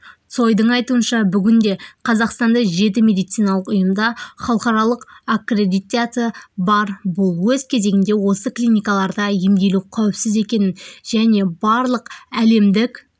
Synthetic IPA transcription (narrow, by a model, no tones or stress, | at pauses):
t̪so̞jd̪əɴɑjt̪uənʃɑbʏɡʲɪnd̪e̞qʰɑzɑqst̪ɑnd̪ɑʒe̞t̪̬ɪme̞d̪ijt̪sijnɑlˠəqʊjəmd̪ɑχɑlˠqɑɾɑlˠəqakre̞d̪ijt̪ʲat̪bɑɾbʊlˠwɵz̥kʲʰe̞ze̞ɡʲɪnd̪e̞wo̞səklʲijnʲijkɑlˠɑɾd̪ɑje̞md̪e̞lukʲʰæwɪpsɪze̞kʲe̞nɪnʒæne̞bɑɾlˠəqæle̞md̪ɪkʲ